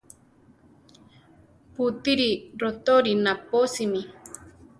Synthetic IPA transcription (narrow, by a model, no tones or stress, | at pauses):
put̪iɾiɾot̪oɾinaposimi